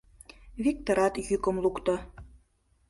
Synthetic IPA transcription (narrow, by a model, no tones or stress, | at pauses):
βik̚t̪oɾɑt̪jykə̆mlukt̪ɤ